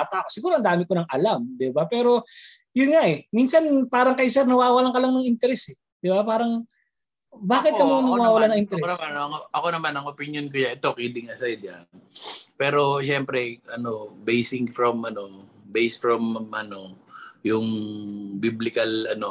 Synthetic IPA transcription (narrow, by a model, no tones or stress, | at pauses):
at̪aʔkosɪɡuːɾoɐnd̪aːmɪkonɐŋʔɐlamd̪ɪbapɛːɾo̞ | jʊnŋaʔɛminsɐnpaːɾɐŋkɐjsɛɾnɐwaːwɐlaŋkɐlɐŋnɐŋʔɪnt̪ɛɾɛsɛ | d̪̥ɪbapaːɾɐŋ | baːkɪt̪ːɐmoŋɐnɐwaːwɐlanɐŋʔɪnt̪ɛɾɛoɐanɐŋʔɐko̞nɐmanɐŋopinjonkʊjaʔɛt̪o̞kid̪ɪŋasɐd̪anpɛːɾo̞ʃɛmpɾɛʔɐno̞bejsɪŋfɾɐmɐno̞ | bejsfɹɐmʔɐno̞jʊŋbiblɪkɐlɐno̞